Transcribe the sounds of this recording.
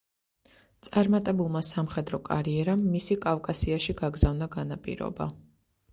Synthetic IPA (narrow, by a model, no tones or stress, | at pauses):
t̪sʼaɾmat̪ʼɛbulˠmasamχɛd̪ɾɔkʼa̰ɾiɛɾamːisikʼavkʼasiaʃiɡaɡzavnaɡanapʼḭɾɔ̰ba̰